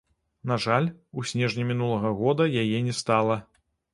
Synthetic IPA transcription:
naʐalʲusʲnʲɛʐnʲimʲinulˠɐɣɐɣɔd̪ɐjajɛnʲɛst̪alˠɐ

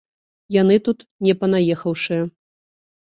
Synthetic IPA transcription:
jan̪ɨt̪ut̪nʲɛpɐnajɛxɐwʂɨjɐ

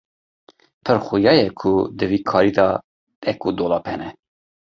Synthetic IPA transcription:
pʰəɾxʊjɑːjɛkʰʊd̪ɨviːkʰɑːɾiːd̪ɑ | ɛkud̪oːlɑːphɛnɛ

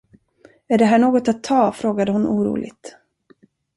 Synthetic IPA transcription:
æɖɛɦæːɳoːɡɔt̪at̪ʰːɑːfɾoːɡad̪əɦʊnʔuːɾṵːlʔɪ̰ɡt̪

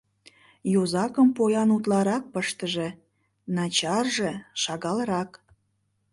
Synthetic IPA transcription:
jozɑkəmpojɑnut̪lɑɾɑk̚pəʃt̪əʒĕ | nɑt͡ɕɑrʒeʃɑɣɑləɾɑk

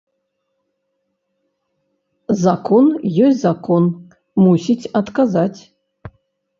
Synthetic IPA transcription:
zakʰonjesʲzakʰon | musʲitʲat̪kazatʲ

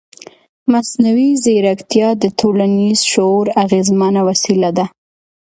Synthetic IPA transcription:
masnawizeɾakt̪jɑd̪ət̪ʰolanizʃoɾaɣezmənawasilad̪a

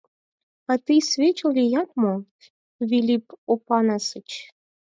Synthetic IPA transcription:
ɑt̪ɨsvʲet͡ɕolʲijɑt̪̚mo | vʲilʲipopɑnɑsət͡ɕ

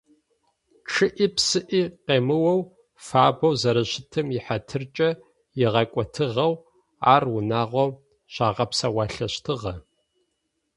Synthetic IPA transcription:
ʈ͡ʂʰɨʔiːpsɨʔiqeːmɨwɐw | faːbɐwzɐɾɐɕɪtʰɨmjɪħatʰɨrt͡ʃʼɐ | jɪʁɐkʷʼɔtʰɨʁɐw | a̰ːrwʊnaːʁʷɔw | ɕaːʁɐpsɐwɑːɬɐɕtʰɨʁɐ

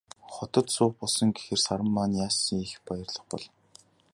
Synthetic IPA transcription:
χɔt̪ɞ̆t̪sʊːχ̚pɔɮsɞ̆ŋɡexɘ̆rsaɾə̆mːaːnjaːsiixpajə̆rɮə̆χpɔ̰ɮ

